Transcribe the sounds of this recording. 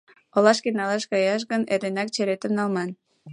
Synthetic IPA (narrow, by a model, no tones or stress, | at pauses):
olɑʃkenɑlɑʃkɑjɑʃ̬ɣəneɾenɑk̚t͡ɕeɾet̪əmnɑlmɑn